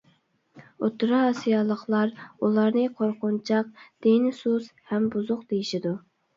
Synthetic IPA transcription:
ot̪ʰːʊɾɑːsijɑlˠəχlˠɑɾulˠɑɾnɨqʰoɾqʊnt͡ʃʰɑq̚d̪̥enɪsushɛmbuzʊqd̪ejiʃid̪u

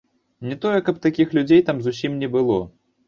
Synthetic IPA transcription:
nʲɛt̪ɔjɛkɐp̚t̪akʲixlʲud͡zʲejt̪amzusʲimnʲɛbɨlˠɔ̰

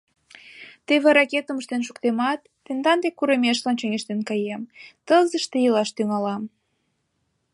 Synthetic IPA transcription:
t̪eβeɾɑket̪əməʃt̪enʃ̬ukt̪emɑt̪ːend̪ɑnd̪ekːuɾemeʃlɑnt͡ɕøŋeʃt̪enkɑjemt̪əlzəʃt̪ejəlɑʃt̪yŋɑlɑm

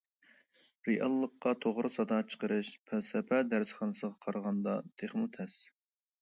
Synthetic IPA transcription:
ɾijʔɑlˠːəqːɑt̪ʰoʁɾɨsɑd̪ɑt͡ʃʰə̥qəɾɨʃpʰɛsɛpʰæd̪æɾsχɑnɨsəʁɑqʰɑɾʁɑnd̪ɑt̪ʰeχmut̪ʰɛs

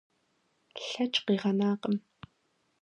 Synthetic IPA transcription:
ɬɐt͡ʃʼqiːʁɐnaːqəm

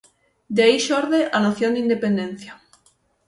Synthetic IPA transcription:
d̪aiʃoɾðeʔanoθjond̪ind̪epend̪en̟θja

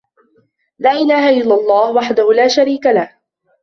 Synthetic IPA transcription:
laːʔɪlaːhaʔɪlːalˤːɑːhwaħd̪ahʊlaːʃaɾiːkalah

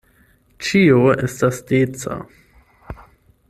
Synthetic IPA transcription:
t͡ʃioɛstasd̥eːt͡sa̰

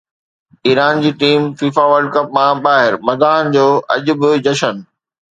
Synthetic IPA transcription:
iːɾaːnd͡ʑiːʈiːmfiːfaʋəɾɖkɐpmãɓaːɦɪɾmɐd̪aːɦənɪ̆d͡ʑoːʔɐʄʊ̆bɪd͡ʑɐʃən

